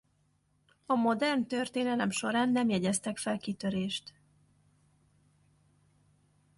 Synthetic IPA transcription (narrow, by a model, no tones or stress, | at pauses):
ɒmo̞d̪ɛrnt̪ørt̪eːnɛlɛmʃo̞ɾaːnːɛmjɛɟɛst̪ɛkfɛlkit̪øɾeːʃt̪